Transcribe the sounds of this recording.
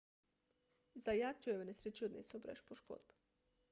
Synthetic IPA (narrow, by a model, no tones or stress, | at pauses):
zajat̪ujeʋenesɾet͡ʃiod̪nesobɾeʃpoʃko̰d̪b